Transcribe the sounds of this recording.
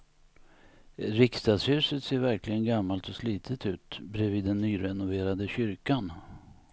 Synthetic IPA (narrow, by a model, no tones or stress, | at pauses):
ɾɪkst̪ɑd̪shʉ̟ːsət̪seːɾvæɾklɪɡənɡamːalt̪ɔsliːt̪ʰət̪ʉ̟ːt̪bɾɛviːd̪ːɛnːyːɾɛnʊveːɾad̪əɕʏɾkan